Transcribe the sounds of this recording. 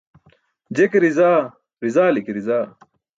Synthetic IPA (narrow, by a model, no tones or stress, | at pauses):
d͡ʑekɾizaː | ɾizaːlikiɾizaː